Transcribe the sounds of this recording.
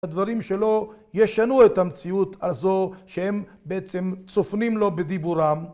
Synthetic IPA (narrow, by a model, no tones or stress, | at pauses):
ad̪vaʁimʃe̞lo̞jeʃanuet̪amt͡siut̪ʰazo̞ʃehem | beet͡se̞mt͡sofnimlo̞bed̪ibuʁam